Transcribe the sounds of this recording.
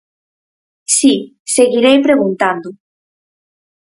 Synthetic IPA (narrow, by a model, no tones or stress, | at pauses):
si | seɣiɾejpɾeɣunt̪and̪ʊ